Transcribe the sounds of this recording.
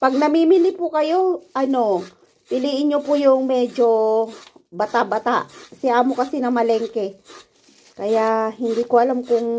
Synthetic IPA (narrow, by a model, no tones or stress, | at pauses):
pɐɡ̚nɐmimilɪpʊkɐjo̞ʔɐno̞ | pɪliːʔɪnɲopʊjʊŋmɛd͡ʒo | bat̪abat̪aʔsɪʔamokɐsinɐmɐlɛŋkɛ | kɐjaʔhɪnd̪ikoʔɐlamkʊŋ